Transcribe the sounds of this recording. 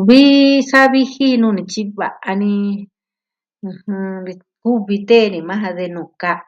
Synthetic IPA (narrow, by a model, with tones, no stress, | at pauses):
βi˦sa˦βi˦hi˦nũː˦˧nĩ˧t͡ʃi˦βa̰˨ʔa˧nĩ˧ | hɨ̃˧ɾi˧ | ku˦βi˧t̪e˦˨˧nĩ˧˨mã˦ɦa˧ðe˧nũ˨ka˧